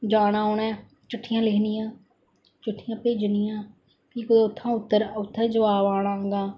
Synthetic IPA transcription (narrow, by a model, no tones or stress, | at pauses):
d͡ʒaːnaːoːnɛː | t͡ʃʊʈʰːɪjãːlɪkʰnɪjãː | t͡ʃʊʈʰːɪjãːpeːd͡ʒnɪjãː | kiːkd̪oʊt̪ʰːãːʊt̪ːəɾʊt̪ʰːɛːd͡ʒəʋaːʋaːɽ̃ãːɡãː